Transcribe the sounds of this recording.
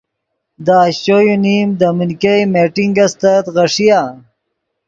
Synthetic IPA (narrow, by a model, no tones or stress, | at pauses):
d̪aːɕt͡ʃojunimd̪aminkejmeʈiŋɡɐst̪ɐt̪ɣɐʂija